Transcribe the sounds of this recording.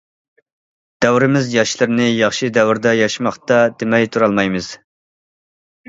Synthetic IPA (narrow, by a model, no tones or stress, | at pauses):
d̪̥ɛwɾɪmɪzjɑʃlˠɨɾnɪjɑχʃid̪ɛwɾd̪ɑjɑʃmɑχt̪ɑd̪ɪmɛjt̪ʰuɾɑlˠmɑjmɨz̥